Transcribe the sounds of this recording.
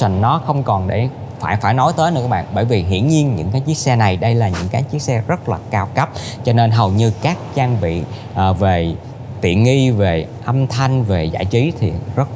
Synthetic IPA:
a˧˩ŋnɔ˨˦xə˧wŋ͡mkɔ˨˩nɗe˧˩ | faː˧˩jfaː˧˩jnɔ˨˦jt̪əː˨˦nɨ̰˧˥kːaː˦˥ɓa̰ː˧˨nɓəː˧˩jvi˨˩ɦḭ˧˨ənɲi˧ənɲɨ̰˧˥ŋkaː˨˦jt͡ɕi˦˥ək̚sɛ˧na˨˩jɗə˧jlaː˨˩ɲɨ̰˧˥ŋkaː˨˦jt͡ɕi˦˥ək̚sɛ˧zə˦˥t̚laː˨˩kaː˧wkə˦˥p̚t͡ɕɔ˧ne˧nɦə˨˩wɲɨ˧kaː˦˥k̚t͡ɕaː˧ŋvḭ˧˨ | ʔve˨˩ | t̪ḭ˧˨ənŋi˧ve˨˩ʔə˧mt̪ʰa˧jŋ̟ve˨˩za̰ː˧˩t͡ɕi˨˦t̪ʰi˨˩zə˦˥t̚

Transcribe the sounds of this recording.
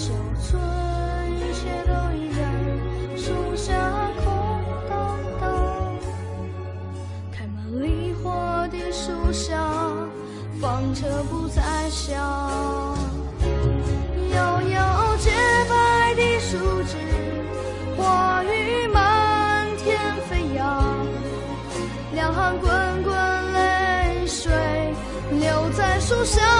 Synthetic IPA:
ʂo˨˩t͡sʰwə˧ | ni˧t͡ɕʰjɛ˥t̪o˧ʊi˧˥la˧˥n | ʂu˧˥ɕja˧kʰʊ˧˥ŋt̪ɑ˧ | t̪ɑ˥˧ | kʰa˧˩nə˨˧˩li˧xwa˥˧t̪i˧˩ʂu˥ɕjɑ˧ | fɑ˧ŋʈ͡ʂʰɤ˧pu˧t͡sa˥˧ɪɕjɑ˧ | jɑ˧ʊjɑ˧ʊo˥˧ʊt͡ɕjɛ˥pa˥ɪt̪i˧ʂu˥ʈ͡ʂɻ̩˧˩ | xwa˥˧y˧ma˧˥nt̪ʰjɛ˥nfe˥ɪjɑ˧˦ | ljɑ˧˩ŋxɑ˧ŋkwə˥nkwə˧nle˥ɪʂwe˨˩ɪ | ljo˧˩ʊt͡sa˥˧ɪʂu˥˧ɕjɑ˥

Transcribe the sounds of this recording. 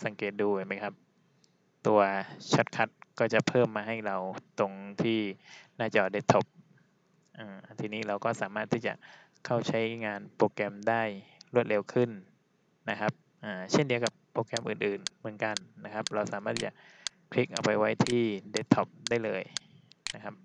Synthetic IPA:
sa˩˦ŋkeː˨˩t̪̚duː˧˩˨jma˦˥˩jkʰa˦˥p̚ | t̪u˧ɐt͡ɕʰa˦˥t̪̚kʰa˦˥t̪̚kɔː˥˩t͡ɕa˨˩pʰɤː˥˩mːaː˧ɦa˥˩jɾa˧wt̪o˧ŋt̪ʰiː˥˩naː˥˩t͡ɕa˨ʔde˦˥t̪ʰːo˦˥p̚ | ʔaː˧˩t̪ʰiː˧niː˦˥˩ɾa˧wkɔː˥˩saː˩˦maː˥˩t̪ʰːiː˥˩t͡ɕa̰˨˩ʔ | kʰa˥˩wt͡ɕʰa˦˥jŋaː˧npoː˧kɛ˧mdaː˥˩jɾu˥˩ət̪̚le˧wkʰɯ˥˩nː | a˦˥kʰa˦˥p̚ | ʔaː˨˩t͡ɕʰe˥˩ndi˧ɐwka˨˩pːoː˧kɛ˧mʔɯː˨˩nʔɯː˨˩nmɯ˩˦nka˧nːa˦˥kʰa˦˥p̚ɾa˧wsaː˩˦maː˥˩t̪̚t͡ɕa̰˨˩ʔ | kʰli˦˥k̚ʔa˧wpa˧jwa˦˥jt̪ʰiː˥˩de˦˥t̪ʰːɔ˦˥p̚daː˥˩jlɤː˧jna˦˥kʰa˦˥p̚

